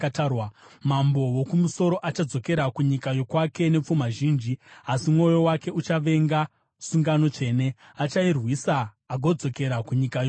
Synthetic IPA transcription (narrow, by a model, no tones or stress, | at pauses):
wamambo̞wokumuso̞ɾo̞ʔat͡ʃad͡zo̞ke̞ɾakuɲikajo̞kwake̞ne̞p͡fumaʒiːnd͡ʒiasimŋo̞jo̞wake̞ut͡ʃaʋe̞ŋɡa | suŋɡano̞t͡ʂe̞ːne̞ | at͡ʃairwisaː | ɡʱo̞d͡zo̞ke̞ɾakuɲikajo